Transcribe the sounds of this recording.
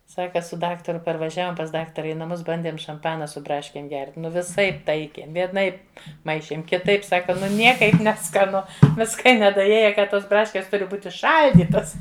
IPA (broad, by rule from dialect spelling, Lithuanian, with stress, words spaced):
ˈsɑːkɐ sʊ ˈdɑːktɐrʊ pɐrʋɐˈʒʲæːʋoːm pɐs ˈdɑːktɐrɐ ɪ nɐˈmʊs ˈbɐnʲdʲeːm ʃɐmˈpɑːnɐ sʊ ˈbrɑːʃʲkʲeːm ɡʲɛrʲtʲ ˈnʊ ʋʲɪˈsɐɪp ˈtɐɪkʲeːm ʋʲiɛˈnɐɪp ˈmɐɪʃʲeːm kʲɪˈtɐɪp ˈsɑːkɐ ˈnʊ ˈnʲiɛkɐɪp nʲɛskɐˈnʊ ˈʋʲɪskɐ ɪ nʲɛdɐˈeːjɛ ˈkɐ ˈtoːs ˈbrɑːʃʲkʲeːs ˈtʊrʲɪ ˈbuːtʲɪ ˈʃɐlʲdʲiːtɐs